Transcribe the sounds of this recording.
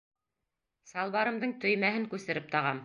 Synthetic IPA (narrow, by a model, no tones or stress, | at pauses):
sɑlˠβɑɾɤ̆md̪ɤɴt̪ɵ̆jmæhɘŋkʉsɘ̆ɾɘp̚t̪ɑʁɑm